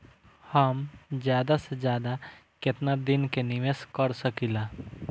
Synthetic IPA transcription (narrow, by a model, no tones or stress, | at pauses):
həmd͡ʒjaːd̪ased͡ʒjaːd̪a | ket̪nad̪ɪnkeniʋeskəɾsəkila